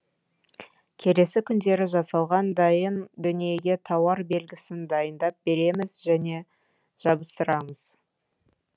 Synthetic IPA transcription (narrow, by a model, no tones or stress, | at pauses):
kʲʰe̞le̞sɪkʲʰʏnd̪e̞ɾɪʒɑsɑlˠʁɑnd̪ɑjənd̪ʏnije̞ɡʲe̞t̪ʰɑwɑɾbe̞lɡʲɪsɪnd̪ɑjənd̪ɑp̚be̞ɾe̞mɪzʒæne̞ | ʒ̥ɑbəst̪əɾɑməz̥